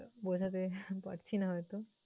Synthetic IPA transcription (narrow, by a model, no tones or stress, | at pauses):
bod͡ʑʱat̪̬epa̰ɾt͡ɕʰinaɦɔet̪o